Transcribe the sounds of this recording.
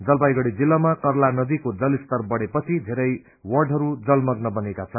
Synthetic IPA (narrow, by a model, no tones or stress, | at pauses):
d͡zʌlbajɡʌɽid͡zilːamakʌrlanʌd̪ikod͡zʌlist̪ʌrbʌɽepʌt͡sʰid̪ʱeɾʌj | wʌrɖɦʌɾud͡zʌlmʌɡnʌbʌnekat͡sʰʌn